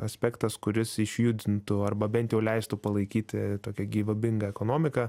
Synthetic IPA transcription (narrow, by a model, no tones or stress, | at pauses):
ɐsʲpʲɛkt̪ɐskʊɾʲɪsɪʃʲjʊd̪ʲɪnt̪ʊɐrbɐbʲɛnt̪jɛʊlʲɛɪst̪ʊpɐlˠɐɪkʲiːt̪ʲɪt̪oːkʲɛɡʲiːʋɐbʲɪŋɡɐɛkoːnoːmʲɪkɐ